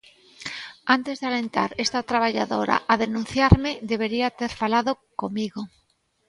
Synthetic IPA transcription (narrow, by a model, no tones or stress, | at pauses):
ant̪ezðeale̞nt̪a̰ɾest̪at̪ɾaβ̞aʎaðoɾa̰ʔaðenũn̟θjaɾmeðeβ̞eɾiat̪eɾfalaðokomiɣo